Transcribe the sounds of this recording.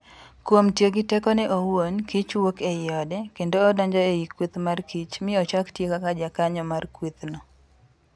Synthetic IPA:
kwomtjeɡɪtɛkɔnɛʔowonkit͡ʃwokeɪɔdɛkendoːdaɲd͡ʒɔejikwit̪markʰit͡ʃmɪɔt͡ʃaktjekakad͡ʒakaɲɔmarkwit̪nɔ

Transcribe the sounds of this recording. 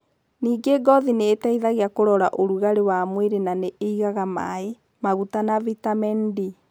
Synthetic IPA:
niːɡeɡɔðineːtaiðaɣeakoɾɔɾaʔoɾuɣaɾewamweɾenaneʔeiɣaɣama̰e | maɣutanavitamɛndi

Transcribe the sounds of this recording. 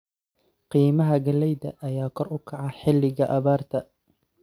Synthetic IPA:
qiːmɐɦɐɡɐlɛjðɐʔːjaːkʰɔrʊkʰɐʕɑħɪlːɪɣɐʔɐβaːrt̪ʰɐ

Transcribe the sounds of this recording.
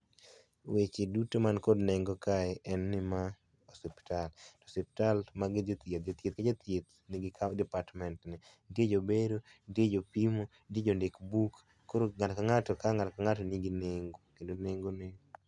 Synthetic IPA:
wet͡ʃedutomankodnɛŋɡɔkaɛʔɛnːɪma | osɛpi̥talto̥sɛpi̥talmaɡɪd͡ʒot̪ad͡ʒot̪jet̪̚kad͡ʒat̪jet̪̚ | nɪɡɪkadɛpatmɛntnɪ | ded͡ʒobedodjed͡ʒopimo | died͡ʒondekbukː | oɾoŋatkaŋatɔkaŋatkaŋatɔniɡɪneŋɡokendoneŋɡonɪ

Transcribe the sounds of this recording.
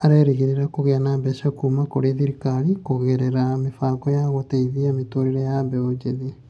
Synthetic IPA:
aɾeɾeɣeɾeɾakoɣeanaːmbɛsɔkuːmakoɾeðiɾikaɾikoɣeɾeɾamefakɔjaɣoteiðiametoɾiɾajabɛod͡ʒeði

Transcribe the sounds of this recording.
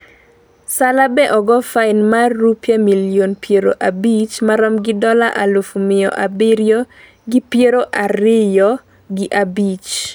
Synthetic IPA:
salabɛʔɔɡɔfaɪnmarːupjamilijonpjeɾo̰ʔabit͡ʃmaɾɔmɡɪdɔlaʔalufumɪɔ̰ʔabɪɾjo | ɡɪpjeɾoʔaɾɪjɔ | ɡɪʔabit͡ʃ

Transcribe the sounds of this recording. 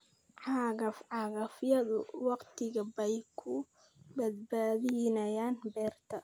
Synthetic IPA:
ʕɑɣɐfʕɑːɣɐfjɐðʊwɑqt̪ʰɪɣɐbɛjkʰʊ | bɐd̪̚baːðɪnɐjaːnbɛːrt̪ʰɐ

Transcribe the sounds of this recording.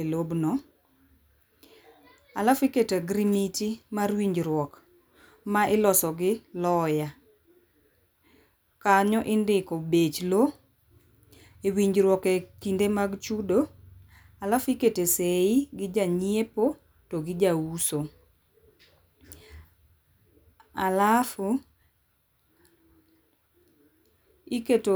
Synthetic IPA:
elobnɔ | alafiketaɡɾimitimarwiɲd͡ʒɾwɔk | maɪlɔsɔɡɪlɔja | kaɲɔʔɪndɪkɔbet͡ʃlo | ewiɲɾwɔketindemaɡt͡ʃudo | alafiketeseɪɡɪd͡ʒaɲjepo | toɡɪd͡ʒawuso | alaf | iketo

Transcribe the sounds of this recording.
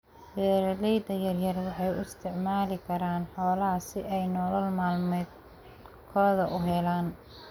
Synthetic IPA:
bɛːɾɐlɛjd̪ɐjɐrjɐrwɑħɑjʊ̰ɪst̪ʰɪʕmaːlɪkʰɐɾaːnħɔːlɐɦɐsɪʔɛjnɔːlɐlmaːlmɛːd̪ | kʰɔːðɐʔʊɦɛlaːn

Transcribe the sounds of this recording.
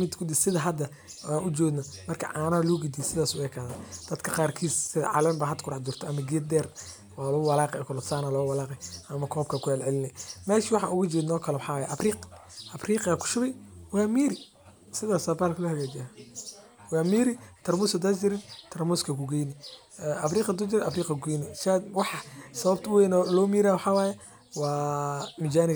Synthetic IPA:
mɪd̪kʰʊd̪ɪsɪðɐɦɐd̪ɐ | aːnʔʊt͡ʃɔːɡnɐmɐrkʰɐ̰ʕɑːnɐːlɔːɡɪd̪isɪðaːsʊwɛkʰaːðad̪̥ɐd̪kʰɐqɑːrkʰiːssɪðɐ̰ʕɑ̰lɛmbaɦɐd̪kʰʊɾɑħd͡ʒʊrt̪ʰɔɐmɐɡid̪ɛːr | waːlɔʊwɐlaːqɛɔkʰʊlɔt̪saːnalɔwɐlaːqɛʔɐmɐkʰɔːb̚kʰɐkʊhɛlʕɛlɪnɛmɛːʃiwɑħɑ̰ːʔʊɣʊt͡ʃɔːd̪nɔːkʰɐlɛwɑħɑːwaja̰ʔɐfriːq | ʔɐfriːqakʰʊ̥ʃʊβɛjwɑːmiːɾɪ | sɪðaːsabaːlkʰɐlɐhɐɣaːd͡ʒɪa | wɑːmiːɾɪt̪ʰɐrmuːskɐd̪aːsd͡ʒɪɾɪd̪t̪ʰɐrmuːskʰɐkʰʊɡɛjnɪ | ɛʔɐfriːqɐd̪ʊd͡ʒɪɾɛʔɐfriːqɐɡɛjnɛsad̪wɑħɑsɐβɐbt̪ʰʊwɛːnɔlɔːmiːɾawɑħɑwaːjɛ | wɑːmɪd͡ʒaːnɪ

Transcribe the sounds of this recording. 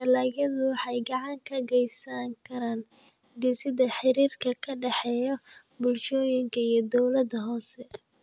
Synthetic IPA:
ɐlaːɣjɐðʊwɑħɑjɡɑʕɑŋkʰɐɡɛjsaŋkʰɐɾaːn | ɡɪsɪðɐħɪɾiːrkʰɐkʰɐɖɛħɛːjɔ | bʊlʃɔːjɪŋkʰɐijɔd̪ɔwlɐd̪ɐɦɔːsɛ

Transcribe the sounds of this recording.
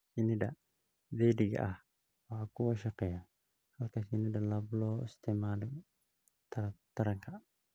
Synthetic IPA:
sinidaʔ | dɛdiɡa̰ʔah | wakuaʃakaja | halkasinidalablost̪ɛmad | t̪aɾat̪aɾakaʔ

